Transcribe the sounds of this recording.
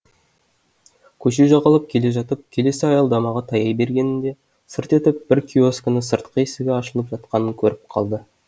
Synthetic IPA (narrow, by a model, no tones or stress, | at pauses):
kʲʰɵʃeʒɑʁɑlˠəp̚kʲʰe̞le̞ʒɑt̪əp̚kʲʰe̞le̞sɪɑjɑlˠd̪ɑmɑʁɑt̪ʰɑjɑjbe̞ɾɡʲe̞nɪnd̪e̞ | səɾt̪e̞t̪ɪp̚b̥ɪɾkʲʰio̞skʲənəsəɾt̪qəesɪɡʲeɑʃəlˠəpʒɑt̪̚qɑnəŋkʲʰɵɾɪp̚qʰɑ̰lˠd̪ə